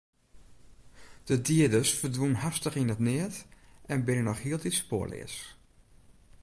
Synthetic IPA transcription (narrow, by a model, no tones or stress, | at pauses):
d̥ədiədəsfədwunɦastəχinətnɪətɛnbɪnənɔxhiəlˠdispo̰ːəlɪ̰əs